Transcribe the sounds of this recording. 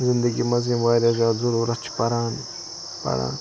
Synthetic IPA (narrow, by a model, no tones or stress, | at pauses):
zɪnd̪əɡimɐzĩmʋaːɾazaːzɐɾuːɾɐt͡ʃʰpɐɾãːn | pɐ̰ɽã̰ːn